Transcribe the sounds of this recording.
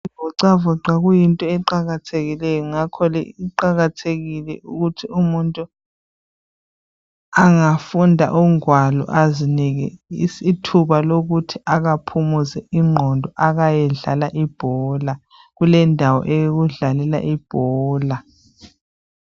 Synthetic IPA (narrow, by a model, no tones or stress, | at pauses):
ibɔǀavɔǀaɣujintʼɔɛǃaɣatʰeɣilɛjɔŋakʰɔlɛ̰iǃaɣatʰeɣilɛʔuɣutʰiumuntʼu | aŋafundʱa̰ʔuŋwalɔ̰ʔaziniɣɛsitʰuβaloɣutʰiʔaɣapʰumuzɛiŋ͡ǃʱɔndʱɔʔaɣajɛɮa̰laʔib̥ʱɔːla | ɣulɛndʱawɔ̰ʔɛjɣuɮalɛla̰ʔib̥ʱɔːla